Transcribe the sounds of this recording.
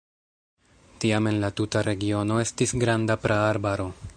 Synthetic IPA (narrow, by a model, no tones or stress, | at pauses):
tiame̞nlatutaɾe̞ɡio̞no̞e̞stisɡɾandapɾaːɾbaɾo̞